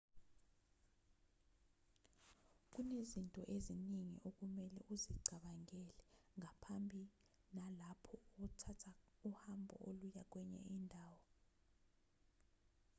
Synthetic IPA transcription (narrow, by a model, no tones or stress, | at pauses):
k̬ʼunezintʼɔ̰ʔeziniŋḭʔok̬ʼumɛlɛ̰ʔuziɡ͡ǀʱaɓaŋɛlɛŋapʰambʱi | nalapʰɔuk̬utʰatʰauhambʱɔ̰ʔolujak̬ʼwɛɲɛ̰indʱaːwɔ